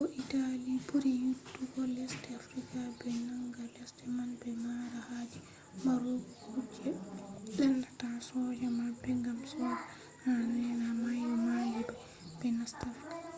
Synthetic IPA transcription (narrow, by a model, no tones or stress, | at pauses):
ɔʔitalipuɾijutːuɡɔlɛstɛafɾikabɛnaŋɡalɛstɛmanbɛmaɾahad͡ʒi | maɾoɡ | kud͡ʒɛɗɛldatasɔd͡ʒamabɛŋɡamsɔːd͡ʒa | hanɛnamajɔmalibɛ | b̥ɛnastɛfkḁ